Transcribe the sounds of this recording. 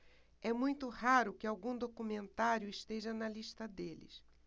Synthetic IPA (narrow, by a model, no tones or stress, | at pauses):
ɛmũj̃t̪ʊhaɾʊkɪawɡũd̪okumẽnt̪aɾjʊɪʃt̪eʒɐnɐliʃt̪ɐd̪elɪ̰s